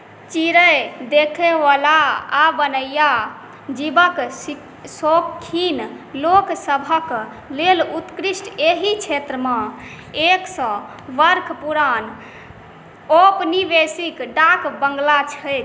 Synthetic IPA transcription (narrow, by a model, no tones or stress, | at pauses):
t͡ʃiɾəjd̪ekʰeʋalaːbənəja | d͡ʒibək | sokʰːin | loksəbʱək | lelut̪kɾisʈeɦit͡ʃʰet̪ɾəmã | eksə̃ | ʋəɾkʰpuɾan | opnibesikɖakbə̃ŋɡlat͡ʃʰəjt̪